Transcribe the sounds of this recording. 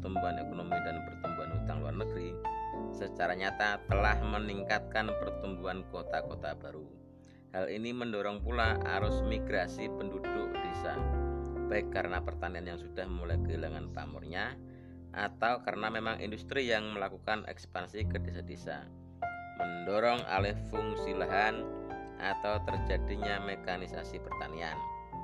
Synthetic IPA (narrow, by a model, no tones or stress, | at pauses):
t̪umbuanekonomidanpərt̪umbuanɦut̪aŋlua̰rnəɡɾisət͡ʃaɾaɲat̪at̪əlahməniŋkat̪̚kanpərt̪umbuɦankot̪akot̪abaɾu | halʔiniməndɔɾɔŋpulaa̰ɾʊsmiɡɾasipəndudʊk̚d̥esa̰b̥aɪkːaɾənapərt̪anianjaŋsud̥ahməmulajkəɦilaŋant̪a̰mʊ̰rɲa | ʔa̰t̪awkaɾənamemaŋʔḭndust̪ɾijaŋməlakukanʔɛ̰kspansikədesadesa̰ | məndɔɾɔŋa̰lɛhfʊŋsilaɦanʔa̰t̪awt̪ərd͡ʒadiɲamekanisa̰sipərt̪anian